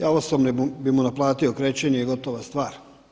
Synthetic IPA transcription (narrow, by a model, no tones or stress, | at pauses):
jaosobnibimunaplˠaːt̪io̞kɾeːt͡ɕeɲeiɡo̞t̪oʋast̪ʋaːɾ